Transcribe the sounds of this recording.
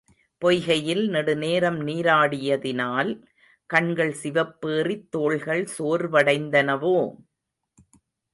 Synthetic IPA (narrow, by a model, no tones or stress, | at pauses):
pɔjɣɐjɪlnɛɽɯneːɾɐmniːɾaːɽɪjɐðɪnaːl | kɐɳɡɐɭsɪʋɐpːeːrit̪ːoːɭɣɐɭsoːɾʋɐɽɐɪnd̪ɐnɐʋoː